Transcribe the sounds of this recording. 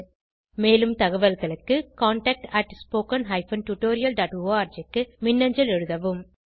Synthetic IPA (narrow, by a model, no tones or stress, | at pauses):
meːlɯmt̪ɐɣɐʋɐlɣɐɭɯkːɯkaːɳʈɐk̚ʈɐʈspoːkɐnɦɐɪfɐnʈjuʈoːɾɪjɐlɖaːʈoːaːɾd͡ʒɪkːɯmɪnːɐɲd͡ʒɐlɛɻɯðɐʋɯm